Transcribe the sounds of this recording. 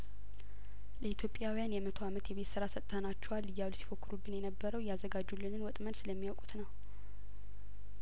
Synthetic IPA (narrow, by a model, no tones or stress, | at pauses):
ləit̪ʰjo̞pʼjawijanjɛmət̪ʰoamət̪jɛβe̞t̪sɨɾasət̪ʼt̪ʰanat͡ʃːɛwalːɨjːawlusi̥fokːɨɾubːɨnjɛnəbːəɾəwjɛazəɡad͡ʒːulːɨnɨnwɔt̪ʼmənsɨləmːijawkʼu̥t̪nəw